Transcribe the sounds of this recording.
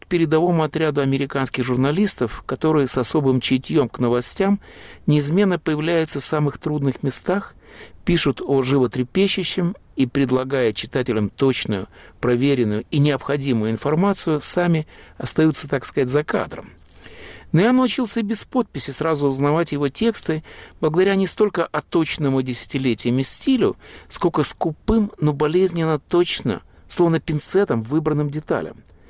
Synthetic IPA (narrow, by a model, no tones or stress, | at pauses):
k̚pʲɪɾʲɪd̪ɐvo̞mʊɐt̪ɾʲad̪ʊɐmʲɪɾʲɪkanskʲɪxʐʊrnɐlʲist̪əfkɐt̪o̞ɾɨjəsɐso̞bɨmt͡ɕɪtʲjo̞mknəvɐsʲtʲamnʲɪːzmʲe̞nːəpəjɪvlʲæjʊt̪səfsamɨxt̪ɾud̪nɨxmʲɪst̪ax | pʲiʂʊt̪oʐɨvət̪ɾʲɪpʲeɕːɪɕːɪm | ipɾʲɪd̪lˠɐɡajɪt̪̚t͡ɕɪ̥t̪atʲɪlʲəmt̪o̞t͡ɕnʊjʊpɾɐvʲeɾʲɪnːʊjʊinʲɪɐpxɐdʲimʊjʊɪnfɐrmat̪sɨjʊsamʲɪɐst̪ɐjut̪sət̪akskɐzatʲzɐka̰d̪ɾə̰m | nojanəʊt͡ɕilˠsʲəbʲɪspo̞t̪̚pʲɪsʲɪsɾazʊːznɐvatʲjɪvo̞tʲe̞kst̪ɨb̥lˠəɡəd̪ɐɾʲanʲɪst̪o̞lʲkəʔɐt̪o̞t͡ɕnəmʊdʲɪsʲɪ̥tʲɪlʲetʲɪjəmʲɪsʲtʲilʲʊ̰skolʲkəskʊpɨmnobɐlʲezʲnʲɪnːət̪ot͡ɕnə̰ | slˠo̞vnəpʲɪnt̪sɛt̪əmvɨbɾənːɨmdʲɪt̪a̰lʲə̰m